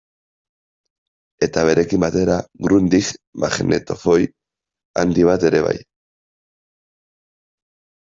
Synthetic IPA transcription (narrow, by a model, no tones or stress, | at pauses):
e̞t̪aβe̞ɾe̞kimbat̪e̞ɾaɡɾund̪ikmaxenḛt̪o̞fo̞j | a̰nd̪iβ̞at̪e̞ɾe̞βa̰j